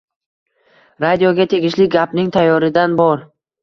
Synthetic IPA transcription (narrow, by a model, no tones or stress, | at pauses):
ɾad̪ijoɡʲat̪ʰe̞ɡʲɪʃlɪɡʲapnɪŋt̪ʰajːɒɾɪd̪anbɒɾ